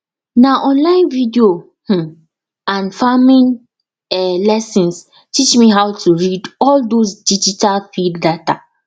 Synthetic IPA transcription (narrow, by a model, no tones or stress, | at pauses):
naʔɔ̃nlãɪ̃nvidio | h̩ | ãnfamĩn | ɛlɛsĩns | tit͡ʃmiɦaʊtʰuɹidɔldosdid͡ʒitalfilddata